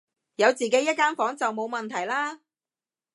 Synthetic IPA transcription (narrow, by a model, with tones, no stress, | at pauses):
jɐ˨˧wt͡siː˨ke˨˥jɐ˥t̚kːaː˥nfɔː˨˥ŋt͡sɐ˨wmo˨˧wmɐ˨nt̪ʰɐ˨˩jlaː˥